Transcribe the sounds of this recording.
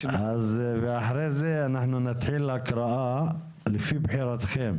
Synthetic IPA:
ʔazbɪʔaħɾeːzenaħnunɪt̪ħilːakɾˤɑʔa | lɪfiːbħiːɾat̪xeːm

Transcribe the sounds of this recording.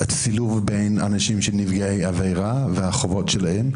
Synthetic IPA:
at͡siluvbe̞jna̰naʃimʃenivɡaejavejʁaveaχovotʃelahem

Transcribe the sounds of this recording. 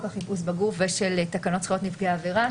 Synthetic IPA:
kaχipus̬baɡufveʃelt̪akano̞tsχot̪nifɡeaːveʁa

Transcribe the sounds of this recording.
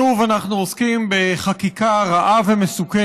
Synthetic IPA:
uvanaχnuoskimbe̞χakikaʁaʔavemesuke

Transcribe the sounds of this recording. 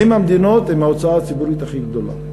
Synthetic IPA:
imhamd̪ino̞t̪hemaot͡saaːt͡sibuʁit̪aχiɡd̪o̞la̰

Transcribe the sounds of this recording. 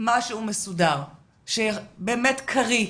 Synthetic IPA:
maʃeumesudaʁ | ʃebeːmetkʰaʁi

